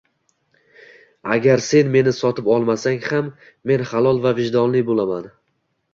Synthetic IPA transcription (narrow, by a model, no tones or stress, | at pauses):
a̰ɡʲaɾse̞nme̞nɪsɒt̪ʰɪpɒlˠmasaŋhamː | e̞nχalˠɒlˠvavɪʒd̪ɒnlɪbolaman